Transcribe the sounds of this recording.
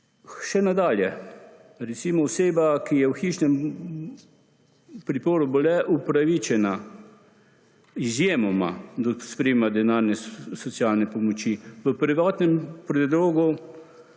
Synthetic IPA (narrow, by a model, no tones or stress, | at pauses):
ʃɛnad̪aːljɛ | ɾɛt̪siːmɔɔseːbakijɛwxiːʃnɛm | pɾipoːɾubɔlɛʔupɾaʋiːt͡ʃɛna | izjeːmɔma̰d̪ɔspɾemad̪ɛnaɾnɛsɔt̪sijaːlnɛpɔmɔt͡ʃiʋəpɾiʋaːt̪nɛmpɾɛd̪loːɡu